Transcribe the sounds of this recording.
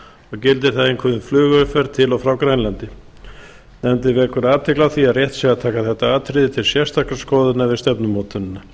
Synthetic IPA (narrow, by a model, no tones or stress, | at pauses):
ɔɣcɪlt̪ɪɾ̥θaðɪnkʰvœːðʏnflʏːɣœfɛɾt̪ʰɪlɔwfɾawkɾajnlant̪ɪ | nɛmnt̪ɪvɛːkʏɾaːt̪ʰɛklaθiaðrjɛht̪sɛɣat̪ʰaːkaθɛht̪aaːt̪ʰɾɪðɪt̪ʰɪlsjɛ̥st̪ʰakɾaskɔːðʏnavɪst̪ɛpnʏmɔːt̪ʏnɪna